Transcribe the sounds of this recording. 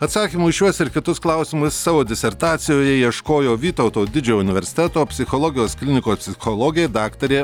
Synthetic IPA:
ɐt̪sɑːkʲiːmuːʃjuɔsɪɾkʲɪt̪ʊsklˠɐʊsʲɪmʊsːɑːʋoːd̪ʲɪsʲɛɾt̪ɑːt̪sʲɪjoːjɛiɛʃkoːjoːʋʲiːt̪ɐʊt̪oːd̪ʲɪd͡ʒʲoʊnʲɪʋʲɛɾʲsʲɪ̥t̪ʲɛt̪oːpʲsʲɪxoːlˠoːɡʲɪjoːsklʲɪnʲɪkoːspʲsʲɪxolˠoːɡʲɪeːd̪ɑːkt̪ɐɾʲeː

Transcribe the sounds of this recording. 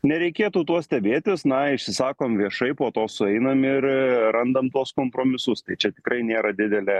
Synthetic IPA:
nʲɛɾʲɛɪkʲeːt̪uːt̪uɔssʲt̪ʲɛbʲeːt̪ʲɪsnɐɪʃʲsʲɪsɑːkoːmʋʲiɛʃɐɪpoːt̪oːsʊɛɪnɐmɪɾɾɐnd̪ɐmt̪uɔskoːmpɾoːmʲɪsʊst̪ɐɪt͡ʃʲɛt̪ʲɪ̥kɾɐɪnʲeːɾɐd̪ʲɪd̪ʲɛlʲeː

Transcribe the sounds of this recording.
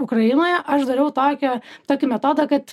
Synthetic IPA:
ʊkɾɐjɪnoːjɛʔɐʃd̪ɐɾʲɛʊt̪oːkʲɛt̪oːkʲɪmʲɛt̪oːd̪ɐkɐt̪

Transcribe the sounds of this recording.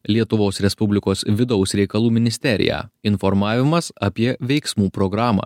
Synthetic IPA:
lʲiɛt̪ʊʋoːsɾʲɛspʊbʲlʲɪkoːsʋʲɪd̪ɔʊsɾʲɛɪkɐlˠuːmʲɪnʲɪsʲt̪ʲɛɾʲɪ̰jæ̰ːɪnfɔɾmɑːʋʲɪmɐsɐpʲiɛʋʲɛɪksmuːpɾɔɡɾɑːmɑ̰ː

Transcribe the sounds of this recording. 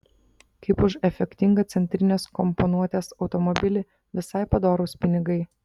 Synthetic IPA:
kɐɪpʊʃɛfʲɛkʲt̪ʲɪŋɡɐt̪sʲɛnʲt̪ʲɾʲɪnʲeːskɔmpɔnuɔt̪ʲeːsɒʊt̪ɔmɔbʲɪlʲɪ | ʋʲɪsɐɪpɐd̪oːɾʊspʲɪnʲɪɡɐɪ

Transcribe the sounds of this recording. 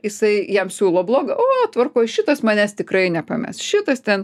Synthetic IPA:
jɪsɐɪjɛmsʲuːlˠoːblˠoːɡɐʔoːt̪ʋɐrkoːjʃʲɪt̪ɐsmɐnʲæst̪ʲɪkɾɐɪnʲɛpɐmʲɛ̰sʃʲɪt̪ɐst̪ʲɛn

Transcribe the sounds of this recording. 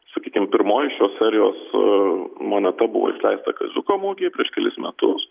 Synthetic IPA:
sɐkʲiːkʲɪmpʲɪɾmoːjɪʃʲjoːssʲɛɾʲɪjoːs | moːnʲɛt̪ɐbʊʋo̰ːɪ̰ʃʲlʲɛ̰ɪst̪ɐkɐzʲʊkoːmuːɡʲeːpʲɾʲiɛʃkʲɛlʲɪsmʲɛt̪ʊs

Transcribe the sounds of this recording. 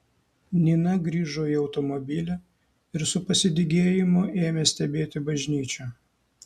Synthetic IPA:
nʲinɐɡɾʲiːʒoːiɒʊt̪ɔmɔbʲɪlʲɛ | ɪɾsʊpɐsʲɪd̪ʲɪɡʲeːjɪmʊeːmʲeːsʲt̪ʲɛbʲeːt̪ʲɪbɐʒʲnʲiːt͡ʃʲɛ

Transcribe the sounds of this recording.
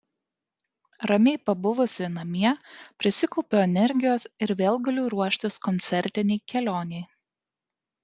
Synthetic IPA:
ɾɐmʲeɪpɐbʊʋʊsʲɪnɐmʲiɛpʲɾʲɪsʲɪkɔʊpʲoːɛnʲɛɾʲɡʲɪjoːsɪɾʋʲeːlˠɡɐlʲuːɾuɔʃʲt̪ʲɪskɔnʲt̪sʲɛɾʲt̪ʲɪnʲɛɪkʲɛlʲoːnʲɛɪ

